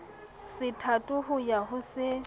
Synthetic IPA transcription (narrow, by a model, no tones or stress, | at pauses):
sɪtʰatʼʊɦʊjaɦʊsɪ